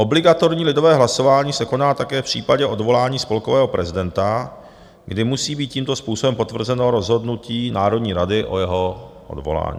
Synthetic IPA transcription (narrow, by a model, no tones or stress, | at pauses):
ʔo̞blɪɡat̪o̞ɾɲiːlɪdo̞vɛːɦlaso̞vaːɲiːsɛko̞naːt̪akɛːfpr̝̥iːpaɟɛʔo̞dvo̞laːɲiːspo̞lko̞vɛːɦo̞pɾʔɛzɪdɛnt̪a | ɡdɪmusiːbiːt̪̚ciːmt̪o̞spuːsobɛmpo̞t̪vr̩zɛnoːɾo̞zɦo̞dnuciːnaːɾo̞dɲiːɾadɪʔo̞̰jɛɦo̞ʔo̰dvo̞̰la̰ːɲḭː